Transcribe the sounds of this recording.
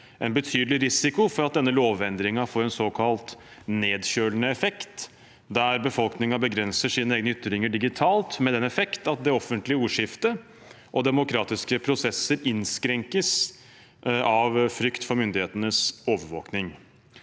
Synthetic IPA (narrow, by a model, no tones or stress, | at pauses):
ʔɛnbət̪ʰyːd̪lɪɾɪsɪkʊfɔɾɑt̪̚d̪ɛnːəloːʋɛnd̪ɾɪŋɑfoːɾɛnsoːkʰɑlt̪neːd̪ɕøːlnəɛfɛkt̪ | d̪æɾbəfɔlknɪŋɑbəɡɾɛnsəʂiːnəeːɡnʏt̪ːɾɪŋəɖɪɡɪt̪ʰɑːlt̪mɛd̪ɛnɛfɛkt̪ɑt̪̚d̪ɛɔfːənt̪lɪəuːʂɪft̪ə | ʔɔd̪ɛmʊkʰɾɑːt̪ɪskəpʰɾʊsɛsəɾɪnskɾɛŋkəs | ɑʋfɾʏkt̪fɔɾmʏnd̪ɪheːt̪ənəsoːʋəɾʋo̰ːknɪŋ